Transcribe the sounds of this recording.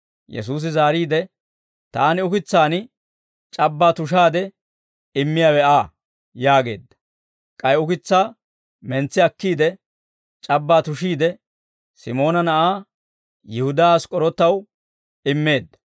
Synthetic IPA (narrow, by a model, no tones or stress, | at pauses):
jɛ̰s̬uːs̬ɪzaːɾiːd̪ɛ | t̪aːnɪʊkɪt͡sːaːnɪ | t͡ʃʼɐbːaːt̪ʊʃ̬aːd̪ɛ | ɪmːɪjaːwɛaː | jaːɡe̞̰ːd̪ːɐ̥ | kʼɐjʊkɪt͡sːaː | mɛnt͡sːɪɐkːiːd̪ɛ | t͡ʃʼɐbːaːt̪ʊʃiːd̪ɛ | sɪmo̞ːnɐnɐʔaː | jɪhʊd̪ɐaːskʼɔɾɔt̪ːɐw | ɪmːe̞ːd̪ːɐ̥